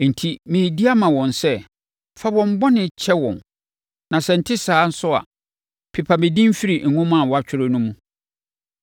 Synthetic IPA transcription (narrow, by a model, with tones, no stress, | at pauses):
n̩˨tʰi˦mɪ̃˨di˦a˦mã˨wɔ̃˨nsɛ˦ | fa˦wɔ̃˨m̩˦bɔ˦nɪ̃˨t͡ɕʰɛ˦wɔ̰̃˨n | nã˨sɛ˨n̩˨tʰɪ˦saː˨˦n̩˦sʊ˦a̰˨ | pʰɪ˨pʰa˨mɪ̃˨dĩ˦m˦fi˦ɾi˨ŋ̩˨ŋʊ̃˦m˦a˨wɔ˨a˨t͡ɕᶣʰɪ˦ɾʊ˦nũ˦mũ˨